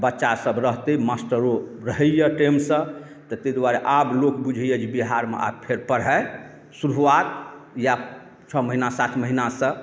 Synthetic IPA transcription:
bətːʃasəbɾəɦt̪emasʈəɾoɾəɦəjəʈemsə̃ | t̪ɔt̪ɛd̪waɾeʔablokbud͡ʒʱəjəd͡ʒibiɦaɾmḛʔa̰bpʰeɾpəɾɦɛ | suɾuʋat̪̚ja | t͡ʃʰəməɦinasat̪ʰməɦinasə̃

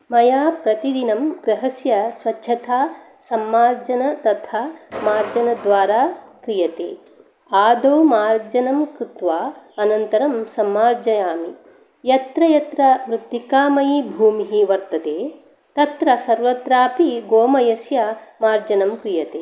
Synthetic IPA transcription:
mɐjaːpɾɐt̪id̪inɐmɡɾɐɦɐsjɐsʋɐt͡ʃːʰɐt̪ʰaː | sɐmːaːɾd͡ʒɐnɐt̪ɐt̪ʰaːmaːɾd͡ʒɐnɐd̪ʋaːɾaːkɾijɐt̪ḛː | aːd̪oːmaːɾd͡ʒɐnɐmkɾɪt̪ʋaːɐnɐnt̪ɐɾɐmsɐmːaːɾd͡ʒɐjaːmi | jɐt̪ɾɐjɐt̪ɾɐmɾut̪ːikaːmɐjibʱuːmiɦiʋɐɾt̪ɐt̪eː | t̪ɐt̪ɾɐsɐɾʋɐt̪ɾaːpiɡoːmɐjɐsjɐmaːɾd͡ʒɐnɐmkɾijɐt̪eː

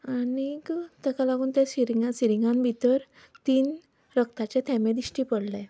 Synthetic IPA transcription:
anikt̪əkalaɡuːnt̪asiɾiŋɡasiɾiŋɡãmbʱit̪əɾ | t̪iːn | ɾəkt̪at͡ɕet̪ʰɛmẽd̪iɕʈiːpəɽlɛ

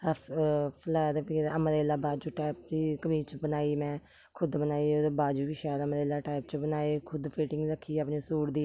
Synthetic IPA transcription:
pʰlaːd̪kːəməɾeːlaːbaːd͡ʒuːʈaːɪp̚d̪iːkəmiːt͡ʃbənaːiːmɛ̃ː | kʰʊd̪bənaːiːod̪baːd͡ʒuːʋiʃɛːɾəməɾeːlaːʈaːɪp̚t͡ʃəbənaːeːkʰʊd̪pʰeːʈɪŋɡɾəkʰːiːəːpneːsuːɽd̪iː

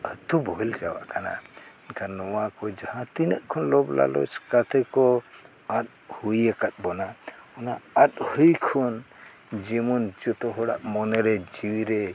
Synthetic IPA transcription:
ət̪ubɔɦɛld͡ʒawa̰ʔkana̰inkʰanːɔwakɔd͡ʒahãt̪inəʔkʰɔnlɔbla̰lɔ̰t͡ʃkat̪ʰɛkɔ | at̪̚ | hujəkat̪̚bɔnaɔnaat̪̚hujkʰɔn | d͡ʒɛmund͡ʒɔt̪ɔɦɔɽa̰ʔmɔnɛɾɛd͡ʒiwiɾɛ

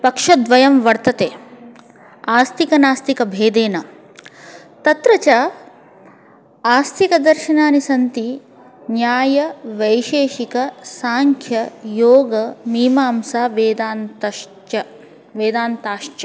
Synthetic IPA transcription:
pɐkʂɐd̪ʋɐjɐmʋɐɾt̪ɐt̪eː | aːst̪ʰikɐnaːst̪ikɐbʱeːd̪eːnɐ | t̪ɐt̪ɾɐt͡ʃaː | aːst̪ʰikɐd̪ɐɾʃɐnaːnisɐnt̪i | njaːjɐʋɐjʃeːʃikɐsaːŋkʰjɐjoːɡɐmiːmaːmsaːʋeːd̪aːnt̪ɐ | ɐ | ʋeːd̪aːnt̪aːʃt͡ʃɐ

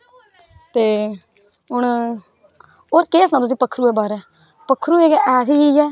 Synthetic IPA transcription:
t̪eː | ɦʊɳ | oːɾkeːsnãːt̪ʊs̬ĩːpəkʰːɾuːɛːbaːɾɛː | pəkʰːɾuːeːkɛɛːsiːiːɛː

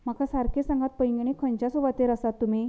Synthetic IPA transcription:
m̤akasaɾkʰesãŋɡat̪̚pəjŋɡɳ̃ekʰənt͡ɕjasubat̪eɾasat̪ːum̤i

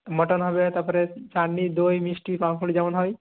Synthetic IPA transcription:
mɔʈɔnɦɔbet̪aɾpɔɾet͡ʃaɳːid̪ojmisʈipamkʰuɽid͡ʒaʋanɦɔj

